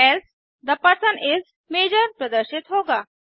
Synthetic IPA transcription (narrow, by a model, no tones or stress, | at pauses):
ɛls | d̪ɐpːasənʔɪz | meːd͡ʒəɾpɾəd̪əɾʃɪt̪ɦoːɡaː